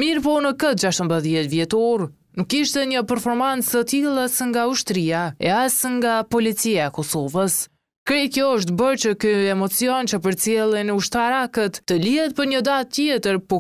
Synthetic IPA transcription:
miɾpɔnəkət̪̚d͡ʒaʃt̪əmbəðjɛt̪vjɛt̪ɔɾ | nukːiʃt̪ɛɲəpɛɾfɔɾmant͡sət̪ilˠasəŋɡauʃt̪ɾiaɛ̰asŋɡapɔlit͡siaɛkɔsɔvəs | kɾɛkjɔəʃ̬t̪bəɾt͡ɕəkyɛmɔt͡siɔnt͡ɕəpəɾt͡sjɛlˠinuʃt̪aɾakət̪ːəliɦɛt̪̚pəɾɲəd̪at̪̚ːjɛt̪əɾpɔ

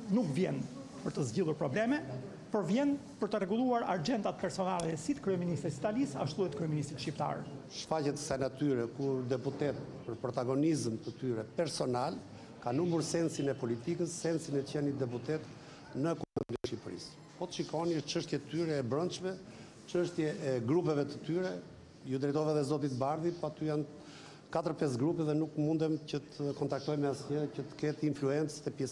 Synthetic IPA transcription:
nukvjɛn | pəɾt̪əzɟilˠuɾpɾɔblɛmɛ | pəɾvjɛn | pəɾt̪ərɛɡulˠuaɾaɾd͡ʒɛnt̪at̪pɛɾsɔnalˠɛsit̪kɾyɛminist̪ɾisi̥t̪alisa̰ʃt̪uɛt̪kɾyɛminist̪ɾit̪ʃcipt̪a̰ɾʃfacɛt̪ə̥sajnat̪yɾɛkuɾd̪ɛput̪ɛt̪pəɾpɾɔt̪aɡɔnizmt̪ət̪yɾɛpɛɾsɔnal | kanumuɾsɛnsinɛpɔlit̪ikəsːɛnsinɛcɛnit̪̚d̪ɛput̪ɛt̪ | nəɛkɔmɔminɛɛʃipɾḭs | pɔt̪ə̥ʃikɔniəʃt͡ʃəʃt̪jɛt̪ət̪yɾɛːbɾɔnt͡ʃvɛ | t͡ʃəʃt̪jɛɛɡɾupɛvɛt̪ə̥t̪yɾɛ | jud̪ɾɛjt̪ɔvɛðɛzɔt̪it̪baɾðipɔat̪yjan | kat̪əɾpɛs̬ɡɾupɛðɛnukmund̪ɛmcət̪ʰəkɔnt̪ak̚t̪ɔjmɛasɲəcət̪ə̥kɛt̪influɛnt͡st̪ɛpjɛs

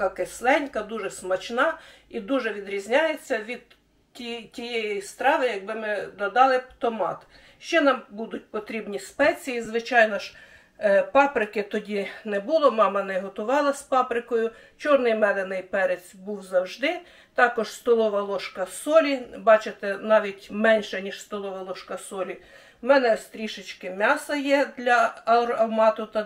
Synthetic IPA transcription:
kɑkeslˠɛnʲkɐd̪uʒɛsmɐt͡ʃnɑid̪uʒɛʋʲid̪ɾʲizʲnʲɑjet͡sʲːɐʋʲid̪̚ | tʲitʲijɛjist̪ɾɑʋɪjɐɡ̚bɪmɪd̪ɔd̪ɑlˠɪt̪ɔmɑ̰t̪ | ʃt͡ʃɛnɑmbud̪ʊt̚ʲpɔt̪ɾʲibnʲispɛt͡sʲijizʋɪt͡ʃɑjnɔʃ | pɑpɾɪkɪt̪ɔdʲinɛbʊlˠɔmɑmɐnɛɦɔt̪ʊʋɑlˠɐspɑpɾɪkɔjʊ | t͡ʃɔrnɪjmɛd̪ɛnɪjpɛɾet͡sʲbuwzɐwʒd̪ɪ | t̪ɑkɔʒst̪ɔlˠɔʋɐlˠɔʃkɐsɔlʲibɑt͡ʃet̪ɛnɑʋʲitʲmɛnʲʃɛnʲiʃst̪ɔlˠɔʋɐlˠɔʃkɐsɔlʲi | mɛnɛst̪ɾʲiʃɪt͡ʃkɪmʲɑsɐjɛd̪lʲɐɐɐwmɑt̪ʊt̪ɐ

